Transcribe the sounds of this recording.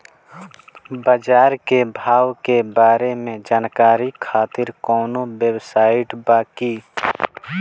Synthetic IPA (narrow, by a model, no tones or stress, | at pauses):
bəd͡ʒaːɾkebʱaːwkebaːɾemẽd͡ʒaːnkaːɾikʰaːt̪ɪɾkɔːnowjewsaːɪʈbaːki